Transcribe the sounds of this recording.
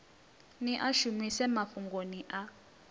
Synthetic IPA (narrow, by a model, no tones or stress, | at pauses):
niʔaʃumisɛmafuŋɡoniʔa